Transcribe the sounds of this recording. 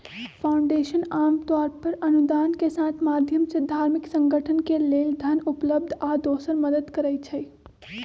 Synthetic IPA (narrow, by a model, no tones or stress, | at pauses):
fʰaːʊ̃ɳɖeːʃənaːmt̪aːɾpəɾɐnʊd̪aːnkesaːt̪ʰmaːd̪ʱjəmsed̪ʱaːɾmɪksə̃ŋɡəʈʰənkeleːld̪ʱɐnʊpləb̚d̪ʱaːd̪oːsəɾməd̪əd̪kəɾəit͡ʃʰɛ